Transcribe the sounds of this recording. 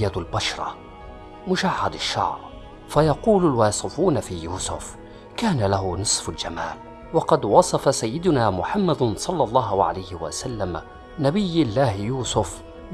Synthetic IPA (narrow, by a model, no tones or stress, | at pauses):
jːalbaʃɾˤɑ̰ | mʊʃaʕːad̪aʃːɑ̰ʕɾ | fajɑquːlʊlwɑːsˤɨfuːnafiːjuːsʊ̰f | kaːnalaɦʊnɨsˤfald͡ʒama̰ːl | wɑqɑd̪wɑsˤɑfasajːɪd̪ʊnaːmʊħamːad̪sˤɑlːɑlˤːɑːɦʕa̰lajhɪwa̰salːam | nabɪjːɪlːaːhjuːsʊf | b